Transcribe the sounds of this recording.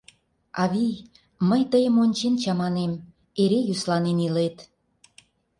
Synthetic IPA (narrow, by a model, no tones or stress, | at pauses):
ɑβij | məjt̪əjəmonʲt͡ɕent͡ɕɑmɑnem | eɾejyslɑnenilet̪